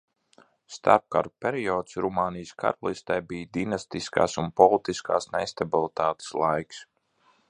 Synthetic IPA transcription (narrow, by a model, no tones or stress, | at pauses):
st̪a̰ɾp̚ka̰ɾupʲeɾiɔːt̪sɾumaːnijska̰ɾalˠist̪ajbiːjd̪inast̪iska̰ːsunpɔlˠit̪iskʰaːsnest̪abilˠit̪aːt̪e̥slˠajks